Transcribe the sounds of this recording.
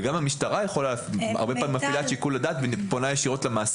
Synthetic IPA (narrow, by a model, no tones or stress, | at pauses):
ɡamhamiʃtaʁajeχolaa̰ʁbepaimːafilaʃikuladaːt̪venponajeʃiʁo̞tlemaːs